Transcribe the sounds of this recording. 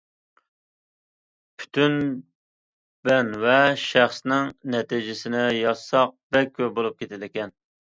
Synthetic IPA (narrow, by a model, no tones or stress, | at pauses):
pʰy̥t̪ʰyn | b̥ɛnvɛʃæχsnɪŋnɛt̪id͡ʒɪsɪnɪjɑsɑq̚bɛkʲʰːøbolˠup̚kʲʰet̪ʰɪlɪkʲɛn